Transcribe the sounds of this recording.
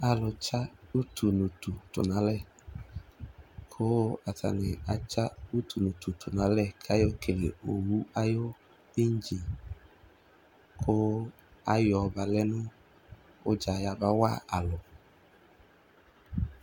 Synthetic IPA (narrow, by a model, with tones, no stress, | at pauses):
a˨lʊ˨t͡ʃa˦u˦tʰu˨nu˨tu˨tʊ̰˨nã˨˦lɛ˦˨ | kʰo˦a˨tʰa̰˨nɪ˨a˨t͡ʃa˦u˦tʰu˨nu˨tu˨tʰʊ˨nã˨˦lɛ˦˨kʰa˦jo˦ke˨le˨o˨wu˦a˦jo˦ | i˦n̩˦d͡ʒi˨ | kʰo˦ | a˦jɔ˨ba˨lɛ˦nʊ̃˦ | ʊ˦d͡ʒa˨ja˧ba˦wa̰˦˨a˨lɔ˨